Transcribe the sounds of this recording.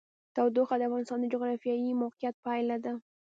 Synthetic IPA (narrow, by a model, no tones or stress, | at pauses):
t̪awd̪oxad̪əafɣɑnɪst̪ɑnd̪əd͡ʒʊɣɾɑfjɑimawqijat̪̚pajlad̪a